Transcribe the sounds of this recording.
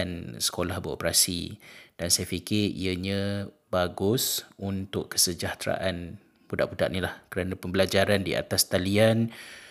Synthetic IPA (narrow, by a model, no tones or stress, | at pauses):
ansə̥kolahbəo̰pɾasḭd̥ansajafikɪɾḭəɲə̃baɡʊsunt̪ʊʔkːə̥səd͡ʒaht̪ɾa̰ʔan | b̥udaʔbuda̰ʔ̚nilahkəɾanãpəmbəlad͡ʒaɾandia̰t̪ast̪alian